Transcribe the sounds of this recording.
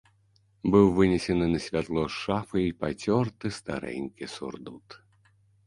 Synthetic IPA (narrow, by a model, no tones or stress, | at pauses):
bɨwvɨnʲesʲɛnɨnɐsʲvʲat̪lˠɔʂafɨipat͡sʲɔrt̪ɨst̪a̰ɾɛ̰nʲkʲɛsṵrd̪ut̪